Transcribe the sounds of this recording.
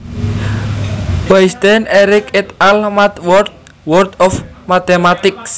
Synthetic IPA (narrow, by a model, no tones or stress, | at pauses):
b̥ajst̪ɛnɛɾɪkɪt̪almat̪wɔrd̪̚ | wɔrd̪ɔfmat̪emat̪ɪks